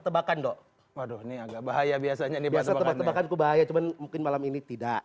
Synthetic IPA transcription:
t̪əbakandɔʔ | wahdɔhniaɡaʔbaɦajabiasaɲanibiasat̪əbaəbakankubaɦajat͡ʃumanmuŋkɪnmalaminit̪idaʔ

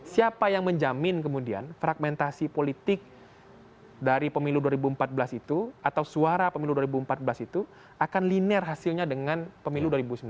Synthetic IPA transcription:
siapajaŋməɲd͡ʒamɪnkəmudia̰nfɾaɡ̚mɛnt̪asipolit̪ɪk̚ | daɾipəmiluduaɾibuəmpat̪̚bəlasit̪uat̪awsuaɾapəmiluduaɾibuəmpat̪̚bəlasit̪u | akanlinɛrɦasilɲadəŋanpəmiluduaɾibusəm

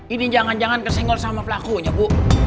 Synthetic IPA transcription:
inid͡ʒaŋand͡ʒaŋankərsiŋɡɔlsamapəlakuɲabu

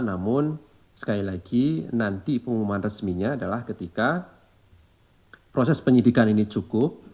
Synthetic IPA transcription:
namʊn | sə̥kalilaɡinant̪ipəŋumanrəsmiɲaːdalahkət̪ika | pɾosɛspəɲidikaninit͡ʃukʊp̚

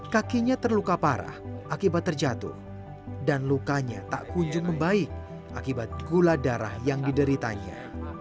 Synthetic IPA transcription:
kakiɲat̪ərlukapaɾa̰hʔakibat̪ːərd͡ʒat̪ṵh | danlukaɲat̪a̰ʔkuɲd͡ʒʊŋməmbaɪk̚ | ʔakibat̪̚ɡuladaɾa̰hjaŋdidəɾit̪a̰ɲa̰

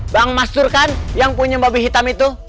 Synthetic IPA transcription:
baːŋmast̪urkanjaŋpuɲababiɦit̪amit̪u

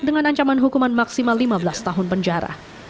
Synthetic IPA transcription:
dəŋanaɲt͡ʃamanɦukumanmaksimalːimabəlast̪aɦʊnpəɲd͡ʒaɾa̰

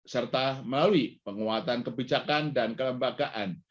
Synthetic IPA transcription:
sərt̪aməlaluipəŋuat̪ankəbid͡ʒakandankələmbaɡaʔan

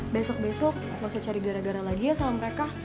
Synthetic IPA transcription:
bɛsɔk̚bɛsɔk̚at̪lawsat͡ʃaɾiɡaɾaɡaɾalaɡijasamaməɾeka

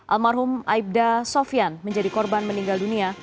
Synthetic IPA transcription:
ʔa̰lmarɦʊmaib̚dasofianməɲd͡ʒadikɔrbanməniŋɡaldunia

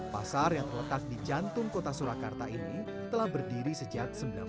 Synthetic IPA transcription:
pasarjaŋt̪ərlət̪ak̚did͡ʒant̪ʊŋkot̪asuɾakart̪aʔini | t̪əlahbərdiɾisəd͡ʒak̚səməla̰

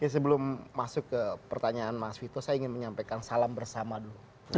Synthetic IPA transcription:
kas̬əbəlʊmːasʊkːəpərt̪aɲaːnmasfit̪osajaiŋɪnməɲampakansalambərsamadulu

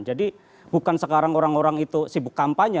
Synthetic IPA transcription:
nd͡ʒadi | bukansəkaɾaŋoɾaŋoɾaŋit̪usibʊkːampaɲa

